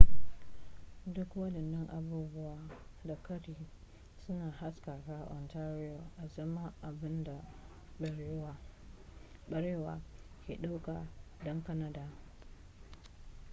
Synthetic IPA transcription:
dʊ˦kwa˦dɪ˨nːɔ˦ŋʔa˨buː˦bʊ˦waː˨da˨kɐ˦tiː˨ | sʊ˦naː˨ha˦ska˨ka˦ʔɔ˨nta˦ɾɪ˦o˨ʔa˨zɐ˦ma˦ʔa˨bɪ˦nda˨ | ɓɐ˨ɾeː˦wa˨kʲḛ˨ɗa˦wka˨ | dɔ˦ŋka˦na˦daː˦˨

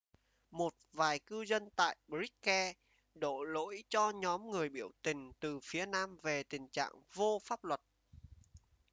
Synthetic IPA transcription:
mo˨˩t̚vaː˨˩jkɨ˧zə˧nt̪a̰ː˧˨jɓɹi˦˥k̚kɛ˧ | ɗo̰˧˩˨lo̰˧˥jt͡ɕɔ˧ɲɔ˨˦mŋɨ˨˩əjɓi˧˩əwt̪ï˨˩ŋ̟t̪ɨ˨˩fi˨˦ənaː˧mve˨˩t̪ï˨˩ŋ̟t͡ɕa̰ː˧˨ŋvo˧faː˦˥p̚lwə˨˩t̚

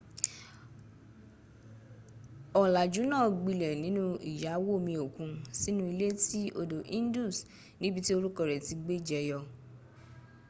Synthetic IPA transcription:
ɔ˨la˨d͡ʒu˨˦nãː˦˨ɡ͡bi˧˨lɛ˨nĩ˨˦nũ˦ḭ˨ja˨˦wo˦˨mĩ˧o˨kũ˧˦si˦nũ˦i˧le˦ti˦ʔo˧do˨ʔĩ˦n˦du˦˨s | nĩ˦bi˧ti˦o˧ɾu˦kɔ˧˨ɾɛ˨ti˧ɡ͡be˦d͡ʒɛ˧˦jɔ˧

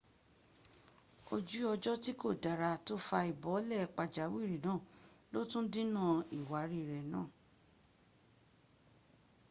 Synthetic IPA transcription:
o˧d͡ʒu˦ɔ˧d͡ʒɔ˦ti˦ko˦˨da˨ɾa˧to˦fa˧i˨bɔ˨˦lɛ˦˨˦k͡pa˧d͡ʒa˨˦wi˦˨ɾi˨˦nãː˦˨lo˦tũ˦dĩ˦nã˦i˨wa˨˦ɾi˦˨ɾɛ˨nãː˦˨

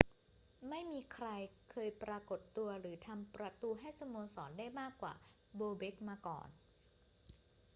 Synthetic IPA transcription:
ma˥˩jmiː˧kʰɾa˧jkʰɤː˧jpɾaː˧ko˨˩t̪ːu˧ɐɾɯː˩˦t̪ʰa˧mpɾa˧t̪uː˧ɦa˥˩jsa˧mu˧nsɔ̰ː˩˦ndaː˥˩jmaː˥˩kːwa̰ː˨˩ | boː˧be˦˥k̚maː˧kɔ̰ː˨˩n

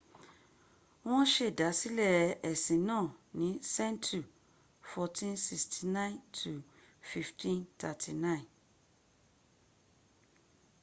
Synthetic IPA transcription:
w̃ɔ̃˦ʃe˦˨da˨˦si˦lɛ˦˨ɛ˨sĩ˨˦nãː˦˨nĩ˨˦sɛ˦ntʰu˨ | fɔ˧tĩ˦nsi˧stʰi˨nã˦ĩ˨ntʰu˨ | fi˧ftʰĩ˦ntʰa˧tʰi˨nã˦ĩ˨n

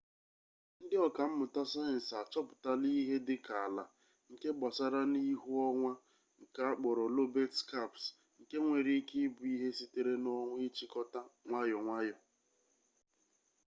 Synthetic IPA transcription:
n̩˦dɪ˦ɔ˨ka˨m̩˦mʊ˨ta˦sa˦ɛ˨n̩˨sa˨t͡ʃɔ˦pʊ˨ta˦li˦ɦe˦dɪ˦ka˨la̰˨ | ŋ̩˨ke˦ɡ͡bɔ˨sa˦ɾa˦ni˦ɦu˦ɔ˦ŋʷa˦ | ŋ̩˨ka˦a˦k͡pɔ˨ɾɔ˨lo˦be˦tka˦˨ps | ŋ̩˨ke˦ŋʷe˨ɾi˦ki˦bʊ˨i˦ɦe˦si˦te˨ɾe˦nɔ˦ŋʷ˦ɪ˦t͡ʃi˦kɔ˦ta˦ŋʷa˦jɔ˨ŋʷa˦jɔ˨

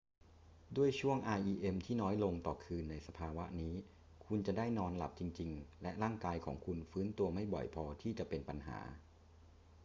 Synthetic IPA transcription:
du˥˩əjt͡ɕʰu˥˩əŋʔaː˧jʔiː˧ʔe˧mt̪ʰiː˥˩nɔː˦˥jlo˧ŋt̪ɔ̰ː˨˩kʰɯː˧nːa˧jsa˧pʰaː˧wa˦˥niː˦˥ | kʰu˧nt͡ɕa˨˩daː˥˩jnɔː˧nla˨˩p̚t͡ɕi˧ŋt͡ɕi˧ŋlɛ˦˥ʔɾaː˥˩ŋkaː˧jkʰɔ̰ː˩˦ŋkʰu˧nfɯː˦˥nt̪u˧ɐma˥˩jbɔ̰˨˩jpʰɔː˧t̪ʰiː˥˩t͡ɕa˨˩ʔpe˧npa˧nɦa̰ː˩˦

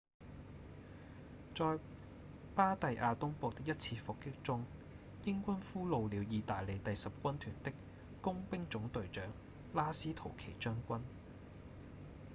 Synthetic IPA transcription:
t͡sɔː˨˧j | paː˥t̪ɐ˨jʔaː˧t̪ʊ˥ŋpo˨˧wt̪ɪ˥k̚jɐ˥t̚t͡sʰiː˧fʊ˨kːɪ˥k̚t͡sʊ˥ŋ | jɪ˥ŋkʷɐ˥nfuː˥lo˨˧wliː˨˧wjiː˨˧t̪aː˨jle˨˧t̪ɐ˨jsɐ˨p̚kʷɐ˥nt̪ʰyː˨˩nt̪ɪ˥k | kʊ˥ŋpɪ˥ŋt͡sʊ˨˥ŋt̪ɵ˨ɥt͡ʃœː˨˥ŋ | laː˥siː˥t̪ʰo˨˩wkʰe˨˩jt͡ʃœː˥ŋkʷɐ˥n

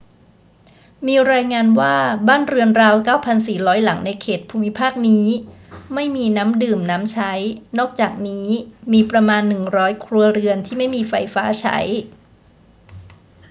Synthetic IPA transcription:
miː˧ɾaː˧jŋaː˧nwaː˥˩baː˥˩nɾɯ˧ənɾaː˧wkaː˥˩wpʰa˧nsiː˨˩ɾɔː˦˥jla˩˦ŋna˧jkʰeː˨˩t̪̚pʰuː˧mi˦˥pʰaː˥˩k̚niː˦˥ma˥˩jmiː˧naː˦˥mdɯː˨˩mnaː˦˥mt͡ɕʰa˦˥jnɔː˥˩k̚t͡ɕaː˨˩k̚niː˦˥miː˧pɾa˧maː˧nːɯ˨˩ŋɾɔː˦˥jkʰɾu˧ɐɾɯ˧ənt̪ʰiː˥˩ma˥˩jmiː˧fa˧jfaː˦˥t͡ɕʰa̰˦˥j

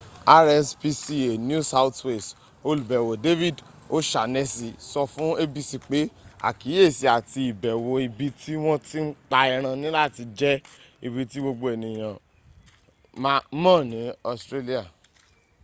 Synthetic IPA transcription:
a˦ɾɛ˦spi˧si˦e˨n˦u˦sa˦wtwe˦˨s | o˧˦lu˨bɛ˨wo˨de˦vi˦˨d | o˦ʃa˨nɛ˦si˧sɔ˧fũ˦e˦bi˧si˧˨k͡pe˨˦a̰˦˨ki˨˦e˦˨si˨˦a˨ti˧i˨bɛ˨wo˨i˧bi˧tʰi˦w̃ɔ̃˦ti˦n̩˦k͡pa˧i˧ɾ̃ã˧nĩ˦la˦˨ti˧d͡ʒɛ˦ | i˧bi˧ti˦ɡ͡bo˧ɡ͡bo˧e˨nĩ˨j̃ã˨ | m˧˦mãː˦˨nĩ˨˦ɔ˧stɾe˦li˦a˨

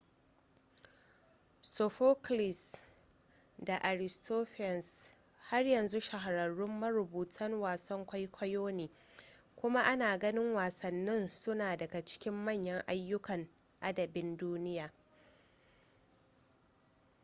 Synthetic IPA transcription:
so˨ɸoː˦klɪ˨s | da˨ʔa˨ɾɪ˨stʰoː˦ɸɛ˨ns | ha˦rjɐ˨nzu˦ʃa˨ɦa˨ɾɐ˨ɽʊ˦mːɐ˦ɾʊ˨buː˨tʰɐ˦ŋwaː˨sɐ˦ŋkʷa˦jkʷʰɐ˦joː˦neː˨ | kʷʊ˦ma˦ʔa˦naː˨ɡɐ˦nɪ˦ŋwaː˨sɐ˨nːɪ˦nsʊ˦naː˨dɐ˨ɡa˨t͡ʃɪ̥˦kʲɪ˦mːɐ˦˨ɲjɐ˦ŋʔa˦jːʊ˦kɐ˨ŋ | ʔa˦dɐ˨bɪ˦nduː˦nɪ˦jaː˨

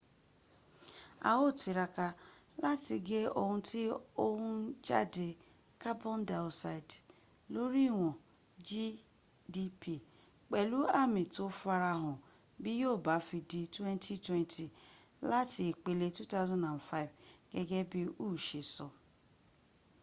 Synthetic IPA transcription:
a̰˨wo˦˨ti˨ɾa˨ka˨la˦tɪ˨ɡe˦o̰˦ŋʊ̃˦tɪ˦o˦wʊ˦d͡ʒa̰˦dɪ˨ | ka˦bɔ˦n˦dɛ˨ʊ˨sa˨ɪ˨d | lo˦ɾi˦wʷɔ˨ | d͡ʒi˦ | di˦pi˨ | k͡pe˨lu˦a˦mɪ˨to˦fʊ˦a˦ɾa˦ɦʊ˨ | bɪ˦jo˦˨ba˨fi˨di˨twɛ˦n˦tʰi˦twe˦ntʰi˨ | la˦tɪ˨k͡pe˨le˦tu˦ta˦ʊ˦zɔ̃˦nã˨nfa˦ɪ˨vɡ̥e˦ɡe˦bɪ˦u˦˨ʃe˨sɔ˨

